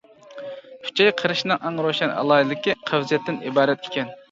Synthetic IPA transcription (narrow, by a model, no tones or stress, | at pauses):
kʲʰy̥t͡ʃʰɛjqʰəɾɨʃnɨŋʔɑŋɾoʃɛnɑ̰lˠɑːjilɪkʲiqʰəwzɛt̪ʰːɪnḭbɑːɾɛt̪e̥kʲɛn